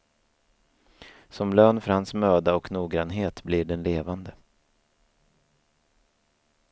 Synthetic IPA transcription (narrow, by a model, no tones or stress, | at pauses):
sɔmløːnfœɾhansmøːd̪aɔknuːɡɾanɦeːt̪blɪɖɛnleːvand̪ə